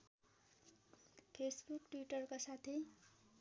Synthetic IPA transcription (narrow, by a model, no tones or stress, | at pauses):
pʰesbukʈwiʈʌrkosat̪ʰe